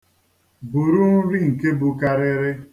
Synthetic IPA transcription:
bu˨ɾu˦n̩˦ɾi˦ŋ̩˨ke˦bu˨ka˦ɾɪ˦ɾɪ˦

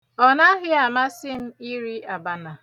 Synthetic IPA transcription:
ɔ˨na˦ɦɪ˦a˨ma˦sɪ˦m̩˦i˦ɾi˦ʔa˨ba˦na˨

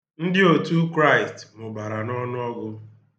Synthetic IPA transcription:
n̩˦dɪ˦o˨tu˦kɾa˦˨ɪ˨stmʊ˨ba˨ɾa˨nɔ˦nʊ˦ɔ˦ɡʊ˦

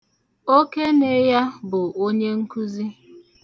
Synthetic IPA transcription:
o˦ke˦ne˦ja˦bʊ˨o˦ɲe˦ŋ̩˦ku˦zi˦

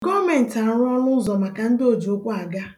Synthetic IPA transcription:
ɡɔ˦me˨n̩˨ta˨˦ɾɔ˦nʊ˦zɔ˨ma˨ka˨n̩˦do˦˨d͡ʒi˨o˦kʷʊ˦a˨ɡa˦

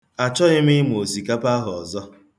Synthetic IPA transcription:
a˨t͡ʃɔ˦ɪ˦mɪ˦m˨o˨si˨ka˦pa˦ɦʊ˨ɔ˨zɔ˦

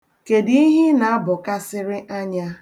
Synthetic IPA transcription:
ke˨di˦i˦ɦɪ˦na˨a˦bʊ˨ka˦sɪ˦ɾɪ˦ʔa˦ɲa˦

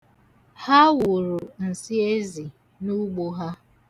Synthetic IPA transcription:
ha˦wʊ˨ɾʊ˨n̩˨si˦e˦zi˨ | nu˦ɡ͡bo˦ɦa˦

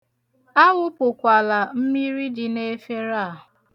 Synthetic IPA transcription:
a˦ɣʊ˦pʊ˨kʷa˨la˨m̩˦mi˦ɾi˦dɪ˨ne˦fe˦ɾa˦˨ɦʊ˨

